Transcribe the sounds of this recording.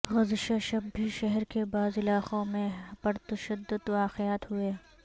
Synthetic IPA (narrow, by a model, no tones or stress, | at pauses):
ɣɐzʃaʃɐbʱiʃɛɦɛɾkebaːzɪlaːqõmẽbɐɾt̪ɐʃəd̪ːʊd̪ʋaːqɪjaːt̪ɦʊeː